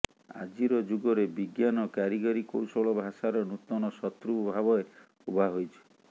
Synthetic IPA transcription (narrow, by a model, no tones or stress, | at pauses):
a̰d͡ʒiɾɔd͡ʒuɡɔɾebiɡjanɔkaɾiɡɔɾikowsɔɭɔbʱasaɾɔnut̪ɔnɔsɔt̪ɾubʱabɔe | ubʱaɦojt͡ʃʰi̥